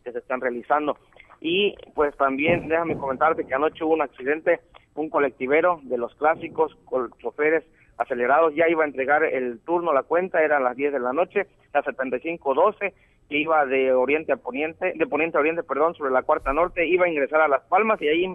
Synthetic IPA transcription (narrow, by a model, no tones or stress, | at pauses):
keseːst̪anrealisand̪o̞ | ipwe̞st̪ambje̞nd̪e̞xameko̞me̞nt̪aɾt̪e̞keano̞t͡ʃeuβunaksiðent̪e̞uŋko̞le̞k̚t̪iβe̞ɾo̞ðe̞lo̞sklasiko̞skot͡ʃofe̞ɾe̞s | ase̞le̞ɾað̞o̞sʝaiβae̞nt̪ɾe̞ɣaɾḛlt̪uɾnolakwe̞nt̪ae̞ɾalazðje̞zðe̞lano̞t͡ʃe̞ | lase̞t̪e̞nt̪ajsiŋkoðo̞se̞ | keiβaðeoɾje̞nt̪eaponent̪ed̪e̞ponjet̪eaoɾje̞nt̪epe̞ɾðo̞nso̞βɾe̞lakwaɾt̪ano̞ɾt̪e̞iβaiŋɡɾe̞saɾalaspalmasiaji